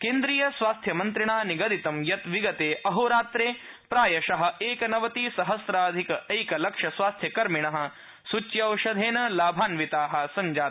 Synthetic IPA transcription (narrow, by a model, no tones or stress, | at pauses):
keːnd̪ɾiːjɐsʋaːst̪ʰjɐmɐnt̪ɾiɳaːniɡɐd̪it̪ɐmjɐt̪ʋiɡɐt̪eːʔɐɦoːɾaːt̪ɾeː | pɾaːjɐʃɐɦɐ̆eːkɐnɐʋɐt̪iːsɐɦɐsɾaːd̪ʱikɐejkɐlɐkʂɐsʋaːst̪ʰjɐkɐɾmiɳɐɦɐ̆ | sut͡ʃjɐɐwʃɐd̪ʱeːnɐlaːbʱaːnʋit̪aːɦɐ̆sɐɲd͡ʒaː